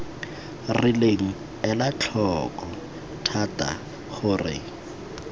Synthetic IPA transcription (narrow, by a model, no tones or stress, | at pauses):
rɪleŋ̩ | ɛlat͡ɬʰɔkɔ | tʰatʼa̰ | χʊrɪ̰